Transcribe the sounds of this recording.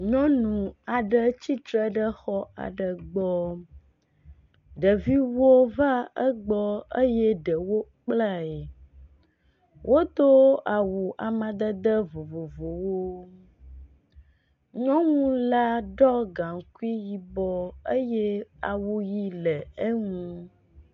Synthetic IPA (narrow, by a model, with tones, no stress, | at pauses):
ɲɔ̃˦nũ˨a˨ɖə˦t͡ɕi˦t̪ɾə˦ɖə˦xɔ˦a̰˨ɖə˨ɡ͡bɔ˦ | ɖə˨vi˦wo˦va˦ə˦ɡ͡bɔ˦ə˦jɛ˦ɖə˨wo˦k͡pla˦ɛ˨ | wʔo˦t̪o˦a˨wu˨ʔa˨mã˨d̪ə˦d̪ə˦vo˨vo˨vo˨wo˦ | ɲɔ̃˦ŋũ˦la˦ɖɔ˦ɡa˨ŋ˨ku˦i˦ji˨bɔ˦ə˦jɛ˦a̰˨wu˦ji˦lə˨ə˦ŋũ˦